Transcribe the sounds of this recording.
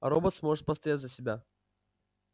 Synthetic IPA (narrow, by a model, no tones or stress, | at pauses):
ɐɾobət̪smoʐɨt̪̚pəst̪ɐjatʲzəsʲɪbʲa